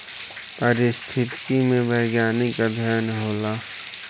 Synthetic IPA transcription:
pəɾɪst̪ʰɪt̪kimẽbəɪɡjaːnikad̪ʱjaːnɦoːlaː

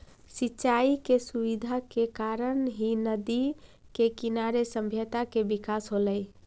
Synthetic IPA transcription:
sitːʃaikesuβid̪ʱakekaɾənɦinəd̪i | kekinaɾesə̃mbʱjət̪akebikasɦoləj

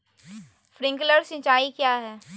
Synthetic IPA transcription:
fɾɪ̃ŋkləɾsɪ̃t͡ʃaːikjaːɦɛː

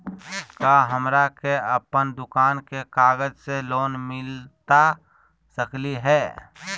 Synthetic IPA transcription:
kaɦəmɾakeəpənd̪ʊkaːnkekaːɡəd͡ʒseloːnmɪlt̪a | səkliɦɛː

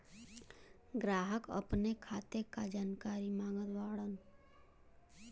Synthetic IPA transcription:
ɡɾaːɦəkə̰pnekʰaːt̪ekad͡ʒaːnkaːɾimãːŋɡət̪ʋaːɽən

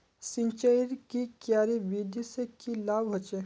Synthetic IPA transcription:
sĩɲt͡ʃəiɾkikjaːɾiʋid̪isekilaːbɦɐt͡ʃe

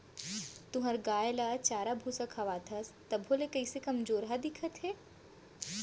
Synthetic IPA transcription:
t̪ʊɦɐɾɡaːjlat͡ʃaːɾabʱusakʰɐʋaːt̪ʰɐst̪ɐbʱɦolekɐisekɐmd͡ʒoːɾɦad̪ɪkʰət̪ɦɛː

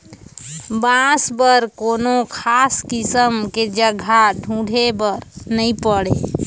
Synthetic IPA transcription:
bãsbəɾkonokʰaskisəmked͡ʒəɡʱaɖʱũːɖʱebəɾnəĩpəɽe

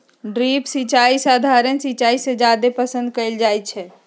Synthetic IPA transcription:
ɖɾipsit͡ʃaisaːd̪ʱaɾənsit͡ʃaisẽd͡ʒad̪epəsə̃nd̪̚kəɪld͡ʒajt̪̚t͡ʃʰɛ

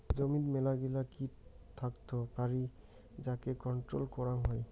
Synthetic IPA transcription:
d͡ʒomit̪mɛlaɡilaki | t̪ʰakt̪opaɹi | d͡ʒakekɔnʈɾo̰lkɔɹaŋɦɔj

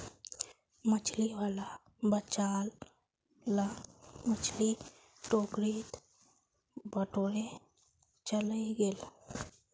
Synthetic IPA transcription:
mət͡ʃʰliwaːla | bət͡ʃaːl | lamət͡ʃʰli | ʈoːkɾiːt̪ | bəʈoːɽe | t͡ʃələiɡel

